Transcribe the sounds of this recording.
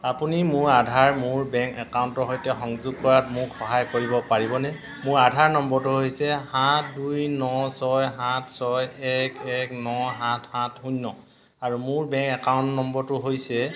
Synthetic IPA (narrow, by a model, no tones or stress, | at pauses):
apunimʊɹadʱaɹmʊɹbɛŋkɛkawntɔɦojtɛxɔŋzuɡ̚kɔɹatmʊkxɔɦajkoɹibɔpaɹibɔnɛ | mʊɹadʱaɹnɔmbɔɹtuɦojsɛhatʰdujnɔsɔjɦatʰsɔjɛkɛknɔɦãtʰhãtʰhunːɔ | aɹumʊɹbɛ̃ŋkɛkawntnɔmbɔɹtʊɦojsɛ